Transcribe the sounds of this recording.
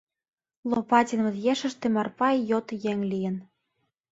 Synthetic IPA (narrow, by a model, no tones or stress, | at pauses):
lopɑtʲinmɤ̆t̪jeʃə̆ʃt̪emɑrpɑjjot̪jeŋlijə̆n